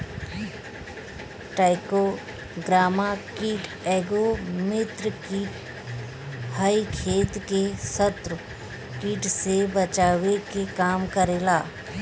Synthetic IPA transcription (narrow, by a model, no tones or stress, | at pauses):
ʈaːɪko | ɡɾaːmakiːʈ | eːɡomɪt̪ɾkiːʈ | haikʰeːt̪kesət̪ɾ | kiːʈsebət͡ʃaːʋekekaːmkəɾeːlaː